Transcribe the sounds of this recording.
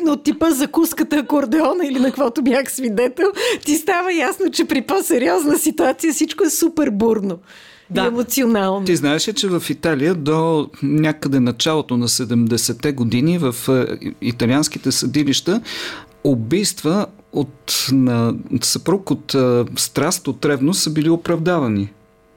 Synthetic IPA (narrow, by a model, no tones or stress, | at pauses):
not̪ːipəzɐkuskət̪əkoɾd̪ɛɔnəilinɐkvɔt̪ʊbjaxsvid̪ɛt̪ɛlˠt̪ist̪avəjasnot͡ʃɛpɾiposɛɾiɔznəsit̪uat̪sijəfsit͡ʃkoɛsupɛɾbuɾno | diɛmot̪sionalˠnt̪iznaɛʃɛt͡ʃɛvɐfit̪aliəd̪onʲakəd̪ɛnɐt͡ʃalˠot̪onɐsɛd̪ɛmd̪ɛsɛt̪ɛɡod̪inivəfit̪ɐliansk̟it̪ɛsɐd̪iliʃt̪ə | obijst̪və | ot̪nɐsɐpɾukot̪st̪ɾast̪ot̪ɾɛbnosəbiliopɾɐvd̪avɐni